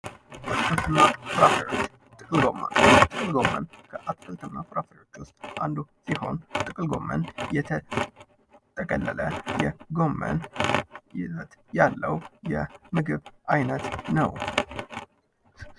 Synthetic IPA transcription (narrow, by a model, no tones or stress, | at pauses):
ʔat̪kʰɨlt̪ʰɨmnːafɨɾafəɾjot͡ʃː | t̪ʼɨkʼɨlɡo̞mːə̰nt̪ʼɨkʼɨlɡo̞mːə̰nkʰəʔat̪kʼɨlt̪ʰɨmnːafɨɾafəɾo̞t͡ʃːwʊst̪ʼʔand̪usiho̞̰nt̪ʼɨkʼɨlɡo̞̰mːə̰njɛt̪ʰə | t̪ʰəkʼəlːələjɛɡo̞mːə̰n | jɛzət̪jalːəwjɛmɨɡɨβajnət̪nəw